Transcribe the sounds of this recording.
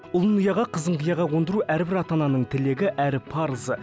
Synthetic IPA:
ʊlˠənujɑʁɑqʰəzəɴqəjɑʁɑwo̞nd̪əɾuʔæɾbɪɾɑt̪ɑnɑnəɴt̪ʰɪle̞ɡʲɪʔæɾɪpʰɑɾzə

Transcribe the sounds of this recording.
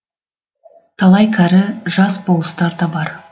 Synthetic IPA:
t̪ʰɑlˠɑjkʰʲæɾɪʒɑsbolˠəst̪ɑɾd̪ɑbɑɾ

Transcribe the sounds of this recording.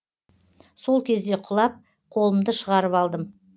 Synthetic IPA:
so̞lˠkʲʰe̞zd̪e̞qʰʊlˠɑp̚ | qʰo̞lˠəmd̪əʃəʁɑɾəpɑlˠd̪əm

